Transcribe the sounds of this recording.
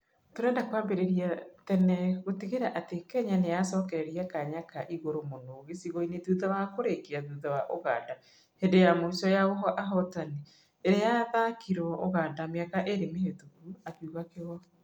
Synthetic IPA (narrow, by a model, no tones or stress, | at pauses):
toɾɛːndakwaːmbeɾeɾiatɛnɛɣotiɣeɾaʔatekɛɲanejasɔːkɛɾɛɾiakaɲakaʔiɣoɾomonoɣesiɣɔineðuðawakoɾekiaðuðawaʔoɣa̰ːda | hendejamoisɔjaoɦɔʔaɦɔtaneː | ɾejaðakʰiɾɔoɣadameakaʔeɾemehetokuakjuɣakeɣɔ